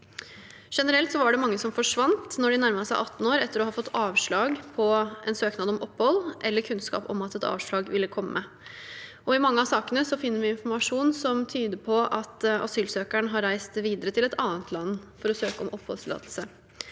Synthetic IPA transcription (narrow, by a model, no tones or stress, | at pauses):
ʂɛnəɾɛlt̪sɔʋɑɖɛmɑŋːəsɔmfɔʂʋɑnt̪nɔɖɪnæɾmɑsæɪʔɑt̪ːn̩oːɾɛt̪ːəɾɔhɑːfɔt̪ːɑːʋʂɭɑːɡpʰɔɛ̰nsøːknɑːd̪ɔmʔɔpːhɔlːʔɛlːəɾkʰʉnskɑ̰ːpɔ̰mɑt̪ɛt̪ʰɑ̰ːʋʂɭɑːɡʋɪlːəkʰɔmːə | ʔɔɪmɑŋːəɑsɑːkənəsɔfɪnːəɾʋɪɪnfɔɾmɑʂuːnsɔmt̪ʰyːd̪əpʰɔʔɑt̪ʔɑ̰syːlsøːkæɳɦɑɾæɪst̪ʋiːd̪əɾət̪ʰɪlɛt̪ʰɑːnət̪ʰlɑnːfɔɾɔsøːkəɔmʔɔpːhɔlt̪ʰɪlɑ̰ːd̪lsə